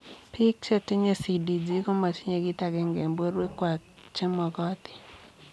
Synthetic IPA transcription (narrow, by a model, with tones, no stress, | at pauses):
pɪ˦k̚t͡ʃe˦te˦ɲe˦si˨di˨d͡ʒi˦ko˦ma˨t͡ʃi˦ɲe˨ɡɪ˦ta˨ɡɛ˨ŋɡe˨mbo˦ɾwe˦kwa˨ | t͡ʃe˦mɔ˨ɡɔ˦t̪ɪ̥˨